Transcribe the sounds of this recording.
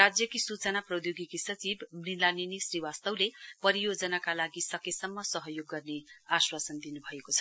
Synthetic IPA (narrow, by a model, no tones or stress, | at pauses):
rad͡zjʌkisut͡sʌnaprʌd̪joɡikisʌt͡sibmrilaninisriwast̪ʌwlepʌɾijod͡zʌnakalaɡisʌkesʌmːʌsʌɦʌjoɡːʌrneaswasʌnd̪inubʱʌekot͡sʰʌ̥